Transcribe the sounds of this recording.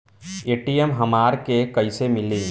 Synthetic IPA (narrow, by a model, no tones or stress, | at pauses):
eːʈijemɦɐmaːɾkekɐisemɪlẽː